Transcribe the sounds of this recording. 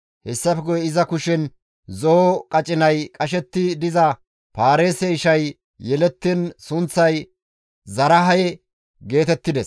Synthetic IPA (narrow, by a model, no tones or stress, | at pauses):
hɛsːɐfɛɡʊjɛɪzɐkʊʃɛn | zokʼɐt͡ʃʼɪnɐjkʼɐʃɛt̪ːɪd̪ɪzɐ | paːɾe̞ːsɛɪʃɐj | jɛlɛt̪ːɪnsʊnt͡sːɐj | zɐɾɐɦɐjɛ | ɡe̞ːt̪ɛt̪ːɪd̪ɛs